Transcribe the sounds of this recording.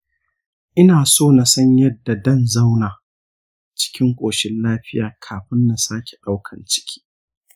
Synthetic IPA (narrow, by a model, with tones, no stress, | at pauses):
ʔɪ˦naː˨soː˦˨na˨sɐ˦ɲjɐ˦dːa˨dɐ˦˨nza˦wnaː˨ | t͡ʃɪ̥˦kʲɪ˦ŋkʷʼoː˨ʃɪ˦nlaː˦ɸɪ˦jaː˨kʰaː˨ɸɪ˦nːa˨saː˦kʲe˨ɗa˦wkʰɐ̰˨nt͡ʃɪ̥˦kʲʰi̥ː˦